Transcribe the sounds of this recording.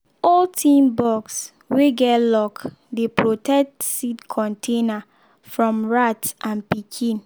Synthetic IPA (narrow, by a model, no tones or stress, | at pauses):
ɔltʰĩmbɔks | weɡɛtlɔk | depɹotɛk̚tsidkʰɔ̃ntʰena | fɹɔ̃mɹatʔãnpikʰĩn